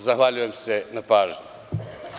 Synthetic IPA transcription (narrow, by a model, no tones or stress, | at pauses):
zaxʋaʎujemsenapaːʒɲu